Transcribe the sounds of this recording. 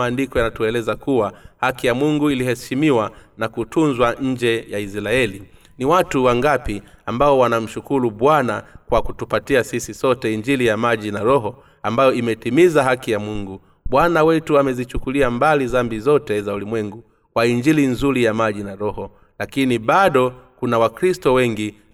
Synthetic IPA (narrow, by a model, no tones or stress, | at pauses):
aːndikɔjanatuɛlɛzakuwahakijamuŋɡuilihɛʃimiwanakutunzwaɲ̩d͡ʒɛjaisɾaɛli | niwatuwaŋɡapiambaɔwanam̩ʃukuɾuɓwanakwakutupatiasisisɔtɛiɲd͡ʒilijamaʄinaɾɔɦɔ | ambajɔimɛtimizaɦakijamuŋɡu | ɓwanawɛtuamɛzit͡ʃukuliambalizambizɔtɛzaulimwɛŋɡu | kwaiɲd͡ʒilinzuɾijamaʄinaɾɔhɔ | lakiniɓaɗɔkunawakɾistɔwɛŋɡi